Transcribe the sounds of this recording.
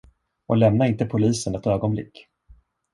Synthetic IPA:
ɔ̰lɛmnaɾɪnt̪əpʰʊliːsənɛt̪øːɡɔnblɪ̰kː

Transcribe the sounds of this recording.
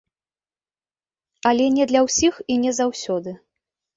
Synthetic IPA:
alʲɛnʲɛd̪lʲɐwsʲixinʲɛzawsʲɔd̪ɨ

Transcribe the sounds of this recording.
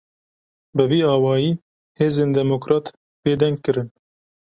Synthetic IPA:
bɨviːɑːwɑːjiː | heːzeːnd̪ɛmokɾɑːt̪ | beːd̪ɛŋɡkɨɾɨn

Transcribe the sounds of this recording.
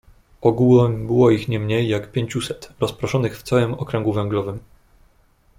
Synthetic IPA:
ʔɔɡulɛmbɘwɔixɲɛmɲejːakpʲjeɲt͡ɕusɛt̪ɾɔspɾɔʂɔnɘxft̪sawɘmɔkɾɛŋɡuvɛŋɡlɔvɘm

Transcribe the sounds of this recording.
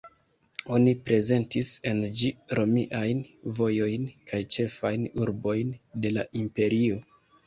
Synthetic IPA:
o̞nipɾe̞ze̞ntise̞nd͡ʒiɾo̞miʔajnvo̞jo̞jnkʰajt͡ʃe̞fajnuɾbo̞jnde̞laʔimpe̞ɾio̞

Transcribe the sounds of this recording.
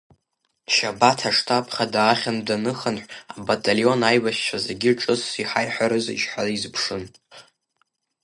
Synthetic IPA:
ʃabatʰaʂtʰapʰχadaːχʲandanɨχanħʷabatʼalio̞najwaʃt͡ʃʷʰazeɡʲiʈ͡ʂʼɨsiħajħʷaɾɨzḭʃħʷalizpʰʂɨn

